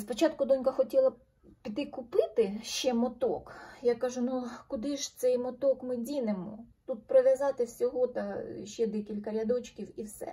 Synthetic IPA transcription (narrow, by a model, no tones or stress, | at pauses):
spɔt͡ʃɑt̪kʊd̪ɔnʲkɐxɔtʲilˠɐ | pʲid̪ɪkʊpɪt̪ɪʃt͡ʃɛmɔt̪ɔkjakɑʒʊnukʊd̪ɪʒt̪sɛjmɔt̪ɔkmɪdʲinemɔ̰t̪ut̪̚pɾɔʋʲjɐzɑt̪ɪwsʲɔɦɔt̪ɐʃt͡ʃɛd̪ɛkʲilʲkɐɾʲɐd̪ɔt͡ʃkʲiwiwsɛ̰